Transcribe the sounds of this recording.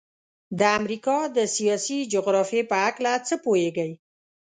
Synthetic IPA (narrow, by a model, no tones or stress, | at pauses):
d̪əamɾikɑd̪əsijɑsid͡ʒʊɣɾɑfijepəaklat͡səpojeɡəj